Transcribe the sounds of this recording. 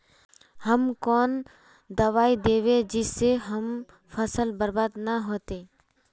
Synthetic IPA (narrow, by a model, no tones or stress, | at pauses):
həmkɔːn | d̪əʋaːid̪eːʋed͡ʒɪsːeɦəm | fʰəsəlbəɾbaːd̪nəɦoːt̪eː